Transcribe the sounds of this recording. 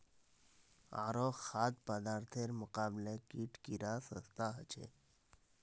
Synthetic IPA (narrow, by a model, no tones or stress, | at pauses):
a̰ːɾoxad̪̚pəd̪aːɾt̪ʰeɾmʊqaːblekiʈʰkiɾasəst̪aɦət͡ʃʰḛ